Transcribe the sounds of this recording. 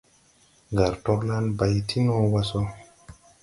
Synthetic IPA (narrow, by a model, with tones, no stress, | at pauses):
ŋɡa˨ɾto˧bna˦nba˨jtʰi˦no˦wa˧so˦